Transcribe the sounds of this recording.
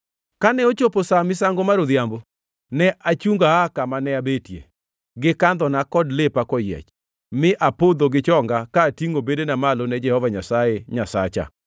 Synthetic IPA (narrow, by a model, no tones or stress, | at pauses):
kanɛot͡ʃoposamɪsaŋɡomaɾod̪jambo | nɛʔat͡ʃuŋɡaakamanɛabetjḛ | ɡɪkand̪ɔnakɔdlepakɔjɛ̰t͡ʃ | mɪʔapod̪oɡɪt͡ʃɔŋɡakaːtiŋobedenamalonɛd͡ʒɛhɔvaɲasajeɲasa̰t͡ʃa̰